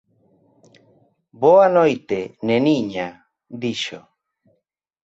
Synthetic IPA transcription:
boanojt̪eneniɲa | d̪iʃo̰

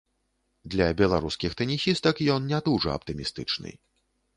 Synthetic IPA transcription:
d̪lʲɐbʲɛlˠaɾuskʲixt̪ɐnʲixʲist̪ɐkjɔnnʲat̪uʐɐ̰ɐ̰p̚t̪ɨmʲist̪ɨt͡ʂnɨ̰

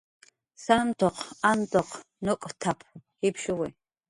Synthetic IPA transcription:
sant̪ʰɔqʰant̪ʰɔqʰ | nɔkʼt̪ʰapʰhipʰʃɔwɛ

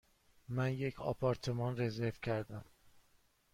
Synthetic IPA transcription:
mænjecʰɒ̰pʰɒɾt̪ʰemɒnrezeɾvcʰæɾd̪æm

